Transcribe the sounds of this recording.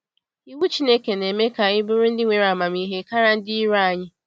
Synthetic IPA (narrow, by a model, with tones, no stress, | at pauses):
i˦wu˦t͡ʃi˦ne˦ke˨ne˨me˦ka˨ɪ˦bʊ˦ɾʊ˦n̩˦dɪ˦ŋʷe˨ɾa˨ma˨mi˦ɦe˦ka˦ɾa˦n̩˦dɪ˦i˦ɾa˦˨ɲɪ˦